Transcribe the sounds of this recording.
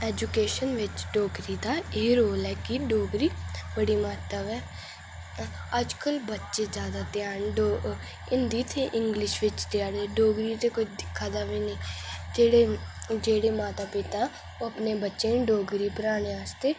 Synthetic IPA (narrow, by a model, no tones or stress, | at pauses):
ɛːd͡ʒukeːʃənʋɪt͡ʃɖoːɡɾid̪aeːɾoːlɛːkiɖoːɡɾiːbəɽimaːt̪əʋɛ | əd͡ʒkəlbətːʃezjaːd̪at̪ɪjaːnɖo | ɪnd̪iːt̪ʰeʔɪ̃ŋɡlɪʃʋɪt͡ʃt̪jaːɽeɖoːɡɾit̪ekʊt͡ʃʰd̪ɪkʰːaːd̪aʋinəĩːd͡ʒeːɽed͡ʒeːɽemaːt̪aːpɪt̪a | oɐpnebətːʃeɖoːɡɾipəɾaːɽ̃eaːst̪eː